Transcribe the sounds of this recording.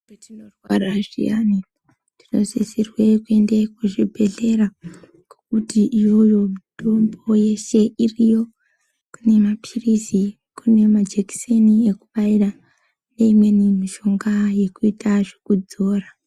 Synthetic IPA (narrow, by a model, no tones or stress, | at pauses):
inorwaraʐḭani | ti̥no̞̰zisirwe̞kue̞nde̞kuʐibʱe̞ɮe̞ɾa | kokutiʔijo̞jo̞mitombo̞je̞ʃe̞ʔirijo̞ | kune̞mapʰirisi | kune̞mad͡ʒeki̥seniekuɓaira | ne̞imwe̞nimiʃo̞ŋɡaje̞kuitaʐekud͡zo̞ːra